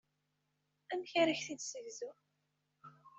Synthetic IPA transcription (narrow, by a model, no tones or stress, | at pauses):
ænçaɾəçθid̪səʝzu